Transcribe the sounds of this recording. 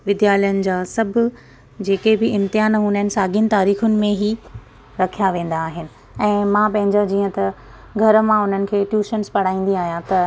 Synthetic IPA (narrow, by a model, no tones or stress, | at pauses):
ʋɪd̪jaːljənɪ̆d͡ʑaːsɐbʱʊ̆ | d͡ʑeːkebɪɪ̃mt̪ɪɦaːnɦũnənɪ̆saːɡint̪aːɾiːxʊnɪ̆mẽɦi | ɾɐkʰijaʋẽːn̆d̪aːɦɪnɪ̆ | ɛ̃ːmãpɐ̃ɦɪ̃ɲd͡ʑad͡ʑiːə̃t̪ɐ | ɡʱɐɾəmãʊn̤ənɪ̆kʰeːʈjuːʃənspɐɽ̤aːĩːn̆d̪iaːɦijãt̪ɐ